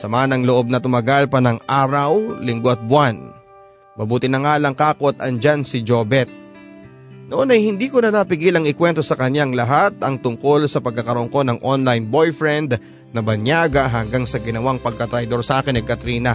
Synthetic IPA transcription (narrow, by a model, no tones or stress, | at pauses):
sɐmaːnɐŋloʔo̞b̚nɐt̪ʊmɐɡalpɐnɐŋʔaːɾɐwlɪŋɡoʔɐt̪̚bʊwan | bɐbuːt̪ɪnɐŋaːlɐŋkaːko̞t̪ɐnd͡ʒansɪd͡ʒobɛt̪̚ | noʔonɐjhɪnd̪iːkonɐnapɪɡilɐŋɪkwɛnt̪o̞sɐkɐɲjaŋlɐɦat̪ɐŋt̪ʊŋko̞lsɐpɐɡ̚kːɐkɐɾoŋko̞nɐŋʔonlajnbo̞jfɹɛnd̪ | nɐbɐnjaːɡɐɦɐŋɡaŋsɐɡɪnɐwaŋpɐɡ̚kɐt̪ɾɐjd̪o̞ɾsʔaːkɪnːɐkɐt̪ɾiːnɐ